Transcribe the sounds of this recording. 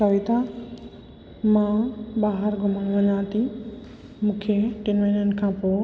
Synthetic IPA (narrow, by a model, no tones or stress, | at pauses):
sɐʋɪt̪a | mãːɓaːɦəɾɡʱʊməɽ̃ʋɐɲaːt̪i | mũːkʰeʈɪnʋeːnən̆kʰãːpoː